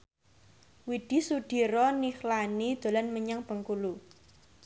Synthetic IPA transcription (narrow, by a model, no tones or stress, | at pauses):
wid̥i̤suɖ̥i̤ɾɔnixlanid̪̥o̤lanməɲaŋb̥ə̤ŋkulu